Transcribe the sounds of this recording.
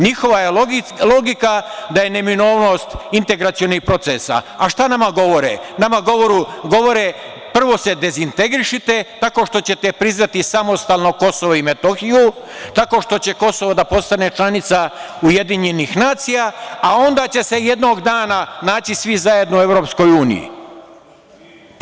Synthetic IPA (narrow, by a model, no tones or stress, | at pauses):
ɲixo̞ʋajelo̞ɡikad̪aje̞ne̞mino̞ːʋno̞st̪int̪e̞ɡɾat̪sio̞nixpɾo̞t̪sesa̰aʃt̪anamaɡo̞ʋo̞ɾḛnamaɡo̞ʋoɾuɡo̞ʋo̞ɾe | pr̩ʋo̞se̞d̪e̞zint̪e̞ɡɾiʃit̪e̞t̪ako̞ʃt̪o̞t͡ɕe̞t̪e̞pɾiznat̪isamo̞st̪aːlno̞ko̞so̞ʋoime̞t̪oxiju | t̪ako̞ʃt̪o̞t͡ɕe̞ko̞so̞ʋod̪apo̞st̪ane̞t͡ʃlanit̪sauje̞d̪iɲe̞nixnaːt̪sijaao̞nd̪at͡ɕe̞se̞je̞d̪no̞ɡd̪aːnanaːt͡ɕisʋizaje̞d̪noue̞ʋɾo̞psko̞juːnḭjḭ